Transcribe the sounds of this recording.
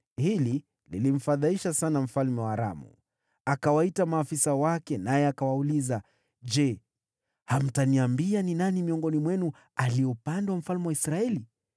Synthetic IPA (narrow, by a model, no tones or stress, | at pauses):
hili | lḭlim̩faðaiʃasanam̩falmɛwaːɾa̰mṵ | akawaitamaːfisawakɛnajɛakawauliza | d͡ʒɛ | ham̩taniambianinanimiɔŋɡɔnimwɛnu | aliupandawam̩falmɛwaisɾaɛli